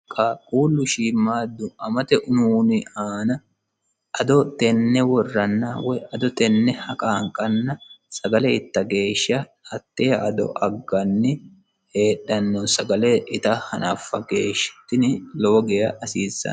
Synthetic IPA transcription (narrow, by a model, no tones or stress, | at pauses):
kʼakʼuːlːʊʃiːmːaːd̪ːʊʔɐmɐt̪ɛʔʊnuːnɪaːnɐ | ʔɐd̪ɔt̪ɛnːɛwɔrːɐnːawɔjʔɐd̪ɔt̪ɛnːɛhɐkʼaːŋkʼɐnːɐsɐɡɐlɛɪt̪ːɐɡe̞ːʃːɐ | ɐt̪ːejɐʔɐd̪ɔ̰ʔɐɡːɐnːɪ | heːɗɐnːɔsɐɡɐlɛʔɪt̪ɐhɐnɐfːɐɡeːʃːɛ̥t̪ːɪnɪloːɡɛjɐʔɐsiːsːɐ̰